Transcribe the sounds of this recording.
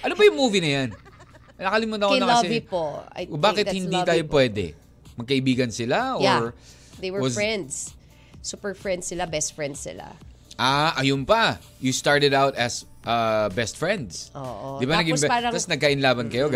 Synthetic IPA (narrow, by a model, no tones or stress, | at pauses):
ʔɐnobɐjʊŋmuːvinɐjan | nɐkɐlɪmonɐkːnɐlɐsɛipo̰jbaːkɪt̪̚hɪniːt̪aːjopwɛd̪ɛ̰ | mɐɡ̚kɐʔɪbiːɡɐnsɪlaʔoɹ | d̪ejwɛɹɐsɛnd̪s | supɛɹfɹɛnd̪sɪlabɛst̪fɹɛnd̪sɪ̰la̰ | ʔaʔɐjompɐ | just̪aɹt̪ɛd̪awt̪ɐsʔɐbɛst̪fɹɛ̃nd̪sʔo̰ʔod̪ɪbannɐɡɪmbɛaɾɐt̪ɐsnɐɡ̚kaʔɪnlaːbɐnkɐjo̞ɡ